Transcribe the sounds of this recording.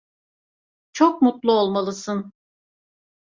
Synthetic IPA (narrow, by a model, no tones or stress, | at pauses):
t͡ʃʰok̚mut̪lˠuolˠmalˠɯsɯn